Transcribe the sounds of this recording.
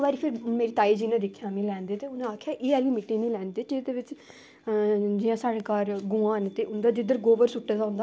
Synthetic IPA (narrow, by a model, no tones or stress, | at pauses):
ʋaːɾiːpʰɪɾmeːɾiːt̪aːiːd͡ʒiːnãd̪ɪkʰːjaːmĩːlɛːnd̪eːt̪eːʊnẽaːkʰjaːʔeːɛːʋiːmɪʈːĩːnĩːlɛ̃ːnd̪eːd͡ʒɪd̪eːʋɪt͡ʃ | d͡ʒɪjãːsaːɽeːkaːɾɡũːãːnt̪eːʔʊnd̪aːd͡ʒ̪ɪd̪əɾɡoːʋəɾsʊʈːad̪aːɦʊ̃nd̪aː